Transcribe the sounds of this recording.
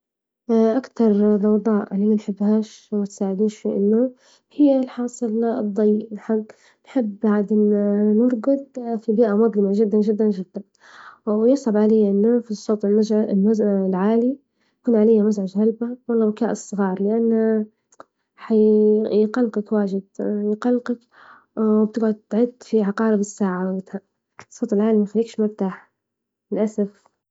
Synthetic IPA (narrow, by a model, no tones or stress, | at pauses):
ʔʔakt̪ɑɾˤdɑwd̪ˤɑːʔlːiːmanħɪbːhaːʃwmat̪saːʕɪd̪iːnʃfiʔɪ̰nːʊ | hɪjːalħɑːsˤɨld̪ˤːɑjːɪʔɪnħaɡ | nħɪbːaʕd̪ɪnnʊɾˤɡʊd̪̚ˤfibiːʔamʊd̪ˤlɪmaʒɪd̪ːanʒɪd̪ːand͡ʒɪd̪̥ːan | wjɪsˤʕɑbʕalɪjːʔɪnːafisˤːoːt̪ˤɪmazlmazlʕaːli | jakuːnʕalajːamazʕaʒhalbawɑlːɑːbɪkaːʔɨsˤːɨɣɑːɾˤlɪʔanːa | ħajjqɑlqɑkwaːʒɪd̪̚jqɑlqɑk | wb̚t̪ɪɡʕʊd̪̚t̪ʕɪd̪ːfiʕɑqɑːɾɪbɪsːaːʕawbɪt̪ha | sˤoːt̪ˤɪlʕaːlimaxalːiːkʃmaft̪aːħ | ɪlʔasaf